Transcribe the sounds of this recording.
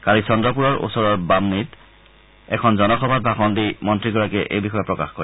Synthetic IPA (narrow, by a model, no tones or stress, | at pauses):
kalisɔndɹɔpuɹɔɹʔṵsɔɹɔɹbamnit | ɛ̰kʰɔnzɔnɔxɔbʱat̚bʱaxɔndimɔntɹiɡɔɹakɛʔḛjbixɔjɔpɹɔkaxkoɹi